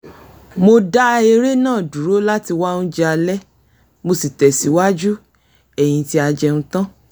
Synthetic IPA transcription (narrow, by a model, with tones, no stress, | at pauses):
mo˧da˦˧e˧ɾe˦nãː˦˨du˨ɾo˦la˦ti˧wa˦nũ˦d͡ʒɛ˦a˧lɛ˦ | mo˧si˨tɛ˨si˨˦wa˦d͡ʒu˦ | ɛ˨j̃ĩ˨˧ti˦a˧d͡ʒɛ˧nũ˦tã˦